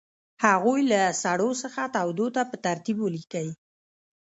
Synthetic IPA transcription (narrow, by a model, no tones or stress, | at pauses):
haɣujlasaɽosəxat̪awd̪ot̪apət̪aɾt̪ibwəlikawi